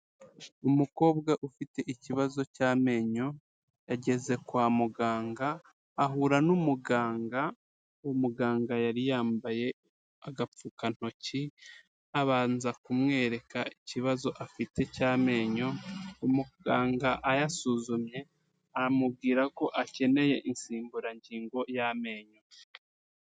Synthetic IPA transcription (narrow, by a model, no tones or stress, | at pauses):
umuko̞ːbɡaʔufite̞ʔiciβazo̞caːme̞ːɲo̞ | jaɟe̞ze̞kwaːmuɡaːŋɡaː | ɦuɾanumuɡaːŋɡa | omuɡaːŋɡajaɾijaːmbaje̞ | aɡap͡fukan̥ho̞ci | aβaːnzakumŋe̞ːɾe̞kaiciβazo̞ʔafite̞caːme̞ːɲo̞umuɡaːŋɡaʔajasuːzumɲe̞ | aamub̚ɡiːɾako̞ʔace̞ne̞je̞ʔinsiːmbuɾaɲɟiːŋɡo̞jame̞ːɲo̞